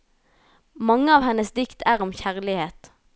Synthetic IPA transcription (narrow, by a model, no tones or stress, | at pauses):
mɑŋːəɑːʋhɛnəsd̪ɪkt̪ʰæːʁɔmçæʁlɪheːt̪